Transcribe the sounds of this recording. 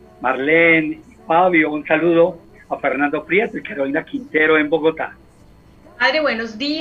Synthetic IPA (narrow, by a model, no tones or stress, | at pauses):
maɾlenifaβjounsaluðo̞ | afeɾnãnd̪o̞fɾjet̪elkeɾoinakint̪eɾoe̞mboɣo̞t̪a̰ | aðɾeβwenozd̪i